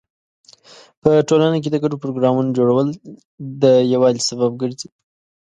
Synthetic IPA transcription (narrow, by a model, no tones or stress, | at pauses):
pəʈolanak̬ed̪əɡaɖopɾoɡɾɑmunod͡ʒoɽawəl | d̪əjawɑlsabab̚ɡəɾzi